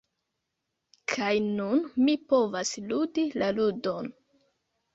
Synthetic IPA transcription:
kʰajnunmipo̞vasludilaludo̞n

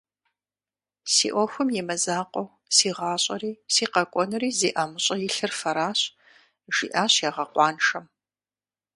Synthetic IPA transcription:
sḭːʔʷɔxʷʊmjɛmɐzaːqʷʼɔw | siːʁɑːɕʼɐɾiːsiːqɐkʷʼɔnɨɾiːziːʔaːmɨɕʼɐjɪɬɨrfɐɾaːɕ | ʒ̥ḭʔaːɕjaːʁɐqʷɑːnʂɐm

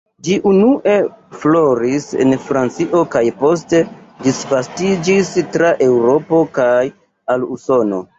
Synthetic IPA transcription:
d͡ʒiʔunuʔe̞flo̞ɾisḛnfɾant͡siʔo̞kajpo̞ste̞disvastid͡ʒistɾaʔe̞wɾo̞po̞kaj | aluso̞no̞̰

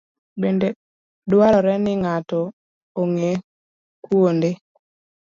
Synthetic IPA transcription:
bende | dwaɾɔɾɛnɪŋatɔ | oŋe | kwonde

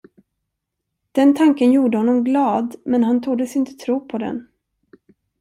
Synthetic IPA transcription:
d̪̥ɛnt̪ʰaŋkənjuːɖəhɔnːɔmɡlɑːd̪mɛnɦant̪ʰuːd̪əsɪnt̪ə̥t̪ʰɾuːpʰɔd̪ɛ̰n

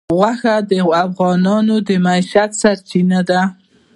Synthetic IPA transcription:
ɣwaxad̪əafɣɑnɑnod̪əmaiʃat̪saɾt͡ʃinad̪a

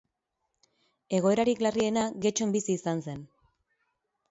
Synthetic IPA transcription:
e̞ɣ̞o̞e̞ɾaɾiklarie̞naɡe̞t͡ʃo̞mbisiːsanse̞n

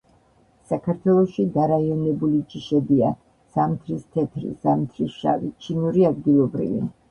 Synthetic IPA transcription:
sakʰaɾt̪ʰwɛlˠɔʃid̪aɾaiɔnɛbulit͡ʃʼiʃɛd̪ia | samt̪ʰɾist̪ʰɛt̪ʰɾḭsamt̪ʰɾisʃa̰vḭt͡ʃʰinuɾiad̪ɡilˠɔbɾḭvḭ

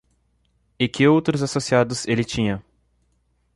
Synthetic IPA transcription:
ɪkɪowt̪ɾʊzasosiad̪ʊzelɪt͡ʃĩɲɐ

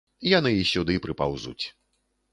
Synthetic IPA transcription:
janɨjixsʲud̪ɨpɾɨpawzṵt͡sʲ

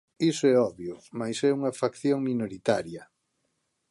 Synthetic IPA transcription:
isʊɛɔβjʊmajsɛuŋɐfakθjoŋminoɾit̪aɾjɐ

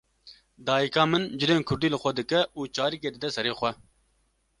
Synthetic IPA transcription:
d̪ɑːjikɑːmɨnd͡ʒɨleːnkʰʊɾd̪iːlɨxʷɛd̪ɨkɛuːt͡ʃɑːɾiːkeːd̪ɨd̪ɛsɛɾeːxʷɛ

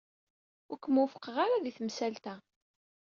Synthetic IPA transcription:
ʊɾkʷːəmufə̥qːəʁaɾaðiθəmsælt̪æ

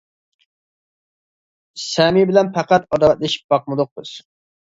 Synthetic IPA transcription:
sɛmibɪlɛnpʰæqæt̪ɑd̪ɑt̪̚lɪʃi̥p̚b̥ɑqmɨd̪ʊq̚bɨz̥

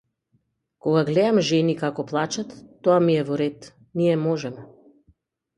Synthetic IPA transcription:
kɔɡaɡlɛd̪amʒɛnikakɔplˠat͡ʃat̪ːɔamiɛvɔɾɛt̪ | niɛmɔʒɛmɛ

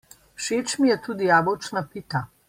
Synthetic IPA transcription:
ʃeːt͡ʃmijɛt̪uːd̪ijaːbɔwt͡ʃnapit̪a

